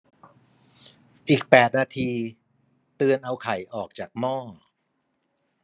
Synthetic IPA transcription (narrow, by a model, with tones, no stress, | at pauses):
ʔiː˨˩k̚pɛː˨˩t̪̚naː˧t̪ʰiː˧ | t̪ɯ˧ənʔa˧wkʰa˨˩˦jʔɔː˨˩k̚t͡ɕaː˨˩k̚mɔː˥˩